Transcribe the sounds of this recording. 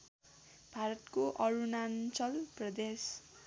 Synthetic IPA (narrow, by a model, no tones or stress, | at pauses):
b̥ʱaɾʌt̪koʔʌɾunant͡sʌlprʌd̪es